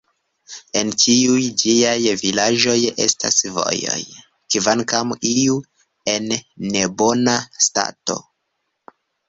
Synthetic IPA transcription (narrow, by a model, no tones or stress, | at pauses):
e̞nt͡ʃiujd͡ʒiajvilaʒo̞je̞̰sta̰svo̞̰jo̞̰j | kvankamiu | e̞nːe̞bo̞nasta̰to̞̰